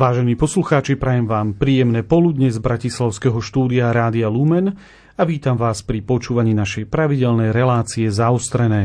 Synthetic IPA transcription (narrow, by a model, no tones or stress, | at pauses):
ʋaːʒɛniːpɔsluxaːt͡ʃipɾajɛmʋaːmpɾiːjɛmnɛːpɔlud̪ɲɛzbɾacislaʊskɛɦɔʃt̪uːd̪iaɾaːd̪ialumɛn | aʋiːt̪amʋaːspɾipɔt͡ʃuːʋaɲiːnaʃɛjpɾaʋiɟɛlnɛjɾɛlaːt͡siɛzaɔst̪ɾɛnɛː